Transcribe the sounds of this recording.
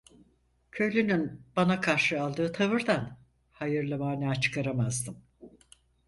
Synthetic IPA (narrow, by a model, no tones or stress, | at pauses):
cʰø̞jlʲynynbanakʰaɾʃɯalˠd̪ɯːt̪ʰavɯɾd̪an | hajɯɾlˠɯmaːnʲat͡ʃʰɯ̥kʰaɾamazd̪ɯm